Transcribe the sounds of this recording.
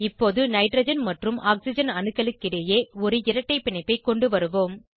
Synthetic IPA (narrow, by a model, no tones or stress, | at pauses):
ɪpːoːðɯnɐɪʈrɐd͡ʒɐnmɐʈrɯmʔaːksɪd͡ʒɐnɐnɯkːɐɭɯkːɪɽɐjeːɔɾɯɪɾɐʈːɐɪpːɪɳɐɪpːɐɪkːɔɳɖɯʋɐɾɯʋoːm